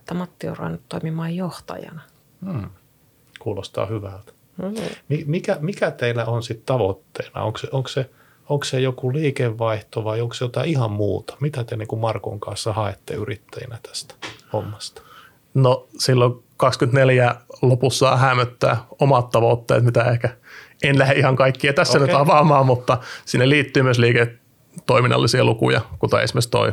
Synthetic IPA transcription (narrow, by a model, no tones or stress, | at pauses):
t̪ːæmɑt̪ːio̰roɑ̰nːut̪toimimɑːjjoht̪ɑ̰jɑ̰nɑ | m̩ː | kuːlost̪ɑ̰ːhyʋælt̪ | mimikæmikæt̪eilːæonsit̪t̪ɑʋot̪ːḛinɑ̰o̰ŋkseʔoŋkse | oŋksejokuliːkeʋʋɑiht̪oʋɑioŋksjot̪ɑihɑmmuːt̪ɑ̥mit̪æt̪eniːŋkumɑrko̰ŋkɑnsːɑhɑet̪ːḛyrit̪ːæjḭnæt̪æ̥st̪æhomːɑst̪ɑ̥ | nosilːo | kɑkskynt̪neljæːlopusːɑ̰ːhæmøt̪ːæ̰ːomɑt̪tɑʋot̪ːḛːt̪mit̪æehkæenlæheʔihɑŋkɑikːiɑt̪æsːænyɑʋɑmɑːmmut̪ːɑsinːeliːt̪ːyːmyøsliːke | t̪ːoiminːɑ̰lːˑisiɑlukṵjɑ̰kot̪o̰ḛsmest̪o̰i